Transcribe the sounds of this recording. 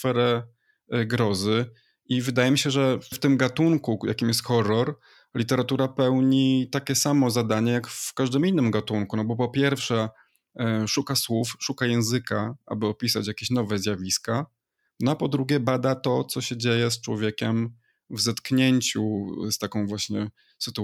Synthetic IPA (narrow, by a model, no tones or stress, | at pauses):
sfɛɾɛ | ɡɾɔzɘ | ʔivɘd̪ajɛmʲiɕɛʐɛft̪ɘmɡat̪uŋkuja̰kʲimjɛst̪xɔɾːɔɾ | lʲit̪ɛɾat̪uɾapɛwɲit̪akʲɛsamɔzad̪aɲɛjakfkaʐd̪ɘminːɘmɡat̪uŋkunɔbɔpɔpʲjɛɾfʂɛ | ʂukaswufʂukajɛ̃w̃zɘkaʔa̰bɘɔpʲisat͡ɕjakʲeɕnɔvɛzʲjavʲiska | nɔapɔd̪ɾuɡʲɛbad̪at̪ɔt̪sɔɕɛd͡ʑejɛst͡ʂwɔvʲjekʲɛm | vzat̪kɲeɲt͡ɕust̪akɔ̃w̃vwaɕɲɛ | sɘt̪u